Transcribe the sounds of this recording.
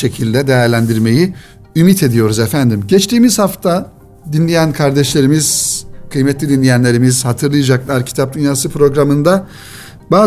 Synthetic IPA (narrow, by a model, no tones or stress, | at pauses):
e̞cʰilʲd̪ɛd̪ejæɾlʲænd̪iɾme̞ji | ymit̪ʰe̞d̪ijo̞ɾuzɛfænd̪imɟɛt͡ʃt̪ʰiːmizhaft̪ʰa | d̪inlʲejænkʰaɾd̪ɛʃlʲe̞ɾimiz̥kʰɯjmɛt̪lʲid̪inlʲejænlʲe̞ɾimiz̥hat̪ʰɯɾlˠɯjad͡ʒaklˠaɾcʰi̥t̪ʰap̚d̪ynjaːsɯpʰɾo̞ɡɾamɯnd̪a | baː